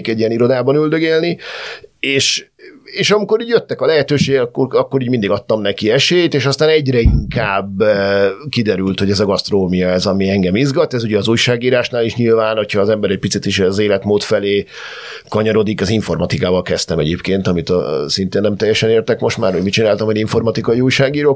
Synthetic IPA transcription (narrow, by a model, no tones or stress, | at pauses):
kɛɟijɛniɾo̞d̪aːbɒnyld̪øɡelni | eːʃ | eːʃɒmiko̞ɾiːɟjøt̪ːɛkɒlɛɦɛt̪øːʃeːɡkːoɒkːo̞ɾiːɟmind̪iɡɒt̪ːɒmnɛkiɛʃeːjt̪eːʃɒst̪aːnɛɟɾɛiŋkaːb | kid̪ɛɾylt̪ho̞ɟɛzɒɡɒst̪rooːmijɒɛzɒmiɛŋɡɛmizɡɒt̪ɛzuɟɛːzuːjʃaːɡiːɾaːʃnaːliʃɲilvaːnho̞chɒːzɛmbɛɾɛc̚pit̪sit̪iʃzeːlɛt̪moːt̪fɛleː | kɒɲɒɾo̞d̪ikɒziɱfo̞rmɒt̪ikaːvɒlkɛst̪ɛmɛɟeːpkeːnt̪ɒmit̪ɒ̰sint̪eːnːɛmt̪ɛjːɛʃɛneːrt̪ɛkmo̞ʃt̪ma̰ːrhomit͡ʃinaːlt̪ɒmɛdiɱfo̞rmɒt̪ikɒiuːjʃaːɡiːɾoːk